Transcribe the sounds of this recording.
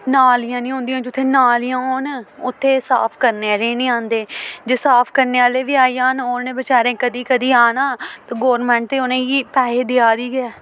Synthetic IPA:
naːlɪjãːnĩːɦõːnd̪ijãːd͡ʒʊt̪ʰːeːnaːlɪjãːɦoːnʊt̪ʰːeːsa̰ːpʰkəɾnelẽːnĩːãːnd̪eːd͡ʒeːsaːpʰkəɾneːaːleːʋiːaːiːaːnoːɾnẽːbət͡ʃaːɾẽːkəd̪iːkəd̪iːaːnaːt̪aːɡoːɾmɛ̃ːɳʈ̚t̪eːonẽːɡiːpɛːɦeːd̪ɪaːd̪iːɡɪɛː

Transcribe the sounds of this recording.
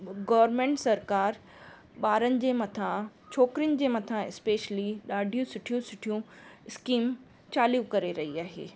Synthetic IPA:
ɡɐːʋəɾmẽːɳʈsɐɾkaːɾ | ɓaːɾənɪ̆d͡ʑeːmɐt̪ʰãt͡ɕʰoːkɾiənɪ̆d͡ʑeːmɐt̪ʰãɪspeːʃliɗaːɖʱijũsʊʈʰijũsʊʈʰijũɪskiːm | t͡ɕaːlijũkɐɾeɾɐɦiaːɦḛː

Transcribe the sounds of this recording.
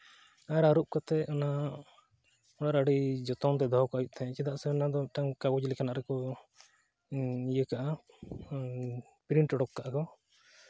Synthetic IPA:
aɾaɾup̚kɔt̪ɛɔna | ɔɽaʔɾaɽid͡ʒɔt̪ɔnt̪̬ɛd̪ʱɔɦɔkɔajuʔ̚t̪ʰaɛ̃t͡ʃɛd̪aʔsɛɔnad̪ɔʈaŋkaɡɔd͡ʒlɛkanaʔɾɛkɔ | ijəkaʔa | pɾiɳʈɔɽɔkːaʔakɔ

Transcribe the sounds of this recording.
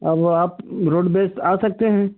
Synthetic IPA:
ɐbaːpɾoːɖbeːsʈaːsɐk̚t̪eɦɛ̃ː

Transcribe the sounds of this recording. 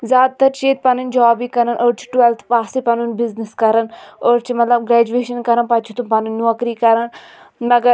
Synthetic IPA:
zʲjaːd̪̚t̪ɐɾt͡ʃeːt̪̚pɐnɨnd͡ʒaːbiːkɐɾɐnʔoːɾt͡ʃʰi̥ʈʋelt̪ʰpaːsipɐnunbɪzniskɐɾɐnoːɾt͡ʃʰimɐt̪lɐbɡɾɛːd͡ʒueːʃɐnkɐɾɐnpɐt̪t͡ʃʰut̪upɐnunːuɐkɾiːkɐɾɐn | mɐɡɐ

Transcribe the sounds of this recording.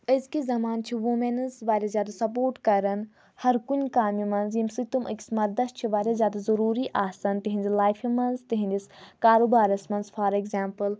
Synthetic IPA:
əzkizɐmaːnt͡ʃʰiʋumɐnɐzʋaːɾʲazjaːd̪asɐpoːɾʈkɐɾɐn | hɐɾkunʲkaːmjimɐnzjimsɨt̪umʔə̰kʲi̥smɐɾd̪ɐst̪̚t͡ʃʰiʋaːɾʲazʲjaːd̪azɐɾuːɾiʔaːsɐnt̪iɦĩnʲzilaːjfʰimɐnzt̪iɦĩnʲd̪ʲiskaːɾoːbaːɾɐsmɐnzfʰaːɾekzaːmpɨl

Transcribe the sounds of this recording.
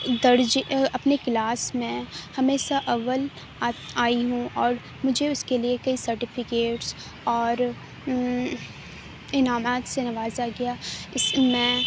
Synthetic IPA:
d̪ɐɾd͡ʒɐpneklaːsmẽhɐmeːʃaʔɐʋəl | aːiɦũʔɔːɾ | mʊd͡ʒʱeʊskeliekɐisɐɾʈɪfʰɪkeːʈs | ɔːɾ | ɪnaːmaːt̪senɐʋaːzaɡɐjaɪsmɛ̃

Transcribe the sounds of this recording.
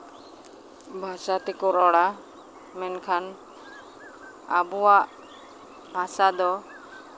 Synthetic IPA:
bʱasat̪ikɔɾɔɽa | mɛnkʰan | abuwaʔ | masad̪ɔ

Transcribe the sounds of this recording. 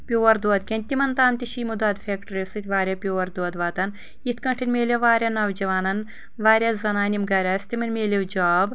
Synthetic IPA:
pʲjoːɐɾd̪oɐːd̪kʲɐnʲt̪imɐnt̪aːmt̪ʲiʃiːmud̪aːd̪fʰʲeːkʈɐɾesɨt̪ʲʋaːɾʲjɐpʲjoːʋɐɾd̪oɐd̪ʋaːt̪ɐn | it̪ʰkɐɳʈʰinʲmʲeːlʲeʋaːɾʲanɐʋd͡ʒɐʋaːnɐn | ʋaːɾʲjazɐnaːnʲimɡɐɾʲɐːst̪imɐnmeːlʲewd͡ʒaːb

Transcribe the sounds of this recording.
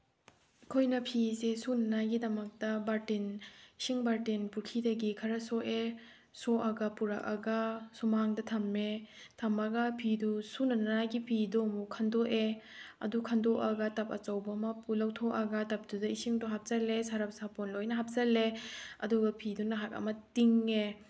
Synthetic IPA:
kʰojnɐpʰisesunɐnajɡidɐmɐk̚tɐbaɾtinisiŋbaɾtinpuɾkʰidɐɡikʰɐɾɐsɔʔe | sɔʔɐɡɐpuɾakɐɡɐsumaŋdɐtʰɐmːe | tʰɐmɐɡɐpʰidusunɐnnajɡipʰidɔmukʰɐndɔʔe | ɐ̰dukʰandɔʔɐɡɐtɐpɐt͡ʃawbɐmapulawtʰɔʔɐɡɐtap̚dudɐisiŋduɦap̚zɐlesaɾap̚sapɔnlojnɐɦap̚zɐleɐ̰duɡɐpʰidunɐɦak̚ɐ̰mɐtiŋe

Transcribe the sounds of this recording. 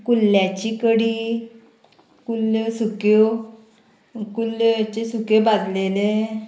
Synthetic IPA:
kulːjat͡ɕikəɽiː | kulsukjo | kulːt͡ɕesukebad̪lele

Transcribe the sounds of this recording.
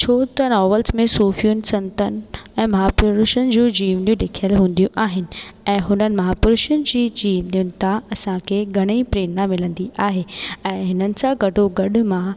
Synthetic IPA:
t͡ɕʰoːt̪ɐnɔːʋəlsmẽsuːfijʊnɪ̆sɐ̃nt̪ənɪ̆ɛ̃ːmɐɦaːpʊɾʃənɪ̆d͡ʑuːd͡ʑiːʋnijũleːkʰijəlɦũːnd̪ijũʔaːɦɪnɪ̆ɛ̃ːɦʊnənɪ̆mɐɦaːpʊɾʊʃʊnɪ̆d͡ʑiːd͡ʑiːʋnijʊnɪ̆t̪ʰãɐsãkʰeɡʱɐɽ̃ipɾeːnamɪlə̃nd̪iʔaːɦeɛ̃ːɦɪnənɪ̆sãɡʱɐɖʱoɡɐɗʊ̆mã

